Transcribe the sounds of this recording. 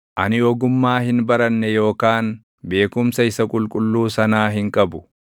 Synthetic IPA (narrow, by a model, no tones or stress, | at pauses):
ʔɐnɪɔɡʊmːaːhɪnbɐɾɐnːɛjo̞ːkaːn | be̞ːkʊmsɐɪsɐkʼʊlkʼʊlːuːsɐnaːɦɪŋkʼɐbʊ